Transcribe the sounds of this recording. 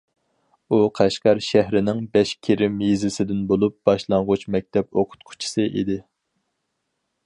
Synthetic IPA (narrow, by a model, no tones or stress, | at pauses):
uqʰæʃqɑɾʃæɦɾɪnɪŋbɛʃkʲʰeɾɪmjizɪsɪd̪ɪnbolˠup̚b̥ɑʃlˠɑŋʁʊt͡ʃmɛk̚ʲt̪ʰɛp̚oqʰʊ̥t̪qʰʊ̥t͡ʃʰi̥sɨʔḭd̪ɪ